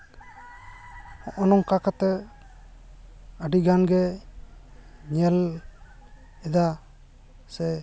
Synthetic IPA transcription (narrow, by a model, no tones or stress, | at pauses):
ɔʔɔnɔŋkakat̪ɛ | əɖiɡanɡɛ | ɲɛl | ɛd̪a | sɛ